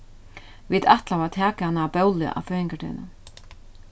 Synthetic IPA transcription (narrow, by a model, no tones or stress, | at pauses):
vit̪aht̪lavat̪ʰɛːkahanːaːpœwlɪ̰ʔa̰wfœːjɪŋkat̪ʰɪ̰ːna̰